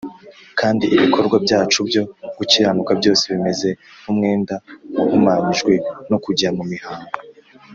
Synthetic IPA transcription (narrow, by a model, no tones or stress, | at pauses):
kʰaːndiʔiβikʰo̞ɾɡwabɟaːt͡ʃubjo̞ɡ̥uciɾanukabjo̞ːseβime̞ze̞numŋe̞ːndauhumamiʒɡwenokuɟamumihaːŋɡo